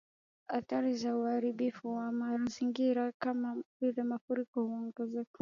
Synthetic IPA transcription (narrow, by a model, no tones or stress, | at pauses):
hat̪aɾizauhaɾiɓifuwamaɾaziŋɡiɾakamavilɛmafuɾikɔhuɔŋɡɛzɛk